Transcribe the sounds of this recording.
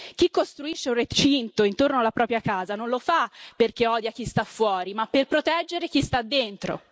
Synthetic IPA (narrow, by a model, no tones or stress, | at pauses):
k̟ikːost̪ɾuiʃːeunrːet͡ʃint̪oint̪ornoalːapɾɔːpɾjakaːzanonlofaperkeɔːd̪jak̟ist̪afːwɔːɾimapːerpɾot̪ɛd͡ʒːeɾek̟ist̪ad̪ːent̪ɾo̰